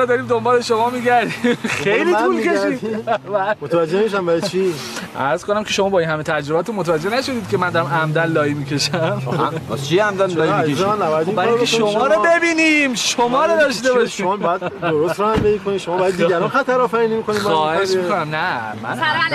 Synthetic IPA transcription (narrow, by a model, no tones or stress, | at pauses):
ɔd̪ɒːɾiːmd̪ombɒːleʃomɒːmiːɟæɾd̪imxejlit̪ulkʰeʃimbæmot̪ʰvæd͡ʒːemiʃæmbæɾt͡ʃʰiʔæ̰ɾz̥kʰonæmcʰe̞ʃomɒːbɒːinhɦæmet̪ʰæd͡ʒɾobæt̪ʰunmot̪ʰævæd͡ʒːenæʃod̪iːd̪̥̚kʰʲe̞mænd̪ɒɾæmæmd̪ænlɒːimicʰe̞ʃæmt͡ʃʰiæmd̪ænlɒːimieanæbajd̪bæɾeʃʃomɒːɾobe̞biːnimʃomɒːɾɔd̪ɒʃt̪eβɒʃʃimbjad̪oɾost̪ɾɔhæmbeikoniʃomɔːbjad̪ːiɡæɾɔnxæt̪ʰæɾɒːfæɾiːnimikoniːbɒːheʃmikonæmnæmæ̰n